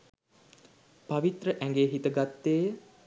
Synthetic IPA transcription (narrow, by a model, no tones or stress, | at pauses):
paʋit̪rəʔæŋɡeːɦit̪əɡat̪ːeː